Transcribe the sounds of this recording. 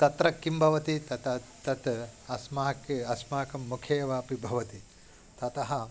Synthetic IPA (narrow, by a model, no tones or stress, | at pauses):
t̪ɐt̪ɾɐkːimbʱɐʋɐt̪it̪ɐt̪ɐt̪ɐt̪ɐsmaːkɐsmaːkɐmːukʰeːʋaːpibʱɐʋɐt̪i | t̪ɐt̪ɐɦɐ̆